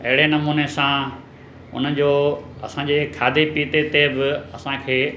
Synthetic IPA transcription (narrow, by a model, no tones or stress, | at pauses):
ɐɦɪɽenɐmuːnesã | ʊ̰nəd͡ʑoːɐsãd͡ʑeːkʰaːd̪ʱepiːt̪et̪ebɪɐsãkʰeː